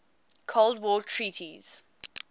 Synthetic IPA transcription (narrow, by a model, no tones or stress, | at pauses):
kʰoldwɔːtʰɹiːtʰiz̥